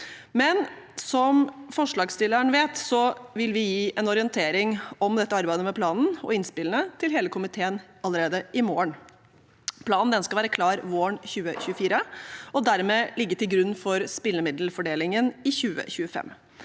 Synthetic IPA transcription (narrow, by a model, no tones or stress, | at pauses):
mɛn | sɔmfɔʂɭɑːɡst̪ɪlːəɳʋeːt̪sɔʋɪlʋɪjiːʔɛnɔɾɪənt̪ʰeːɾɪŋɔmd̪ɛt̪ːəɑɾbæɪd̪əmɛpʰlɑːnn̩ɔ̰ɪnspɪlənət̪ʰɪlɦeːləkʰʊmɪt̪ʰeːən | ɑlːəɾeːd̪əʔɪmoːəɳ | pʰlɑːnn̩d̪ɛnskɑʋæːɾəkʰlɑːɾʋoːəɳçʉːə̰çʉəfiːɾəɔd̪æɾmeːlɪɡːəʈ̪ɪlɡɾʉnːfɔɾspɪlːəmɪd̪l̩fɔɖeːlɪŋənɪçʉːə̰çʉːəfɛ̰mː